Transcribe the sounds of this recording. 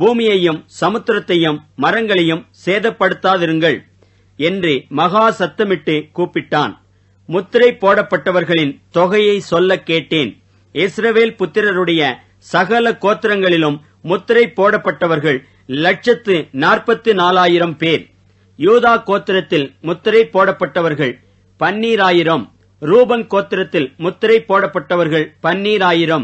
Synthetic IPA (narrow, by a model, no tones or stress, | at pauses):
buːmɪjɐjɯmsɐmɯt̪ːɪɾɐt̪ːɐjɯmːɐɾɐŋɡɐɭɐjɯmseːðɐpːɐɽɯt̪ːaːðɪɾɯŋɡɐɭ | ɛndrɯmɐɣaːsɐt̪ːɐmɪʈːɯkuːpːɪʈːaːn | mʊt̪ːɪɾɐɪpːoːɽɐpːɐʈːɐʋɐɾɣɐɭɪnt̪ɔɣɐjɐɪsɔlːɐkːeːʈːeːn | ɪsɾɐʋeːlpʊt̪ːɪɾɐɾɯɽɐjɐ | sɐɣɐlɐkoːt̪ːɪɾɐŋɡɐɭɪlɯmː | ʊt̪ːɪɾɐɪpːoːɽɐpːɐʈːɐʋɐɾɣɐɭ | lɐʈ̚t͡ʃɐt̪ːɯnaːrpɐt̪ːɯnaːlaːjɪɾɐmpeːɾ | juːðaːkoːt̪ːɪɾɐt̪ːɪlmʊt̪ːɪɾɐɪpːoːɽɐpːɐʈːɐʋɐɾɣɐɭ | pɐnːiːɾaːjɪɾɐm | ɾuːbɐnkoːt̪ːɪɾɐt̪ːɪlmʊt̪ːɪɾɐɪpːoːɽɐpːɐʈːɐʋɐɾɣɐɭpɐnːiːɾaːjɪɾɐm